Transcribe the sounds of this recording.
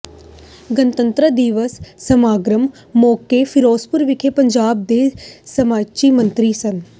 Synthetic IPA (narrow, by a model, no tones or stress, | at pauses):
ɡənt̪ənt̪ɾəd̪iːʋəsːəmaːɡɾəmː | oːkeːfʰɪɾoːspʊɾʋɪkʰeːpəɲd͡ʒaːb̚d̪eːsəmaːt͡ʃiːmənt̪ɾiːsən